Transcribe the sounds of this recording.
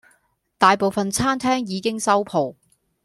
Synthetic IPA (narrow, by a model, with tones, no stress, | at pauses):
t̪aː˨jpo˨wfɐ˨nt͡sʰaː˥mt̪ʰɛː˥ŋjiː˨˧kɪ˥ŋsɐ˥wpʰo˨w